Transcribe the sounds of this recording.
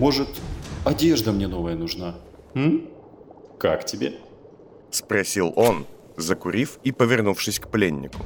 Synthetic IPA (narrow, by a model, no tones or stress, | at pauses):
mo̞ʐɨt̪ɐdʲeʐd̪əmnʲenovəjənʊʐna | m̩ | ka̰ktʲɪbʲe | spɾɐsʲilˠo̞n | zəkʊɾʲifipəvʲɪrnufʂɨsʲkplʲenʲːɪkʊ